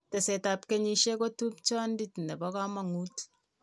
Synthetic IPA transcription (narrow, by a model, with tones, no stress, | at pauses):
tɛ˨se˨ta˨p̚ke˦ɲi˨ʃe˦ko˦tu˦p̚t͡ʃɔ˦ndi˦tndɛ˨bɔ˦ka˦ma˨ŋu˦t